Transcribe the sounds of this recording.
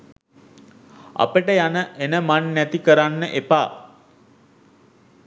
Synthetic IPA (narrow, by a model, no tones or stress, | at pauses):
a̰pəʈəjanəʔenəmanːæt̪ikəɾanːəʔepaː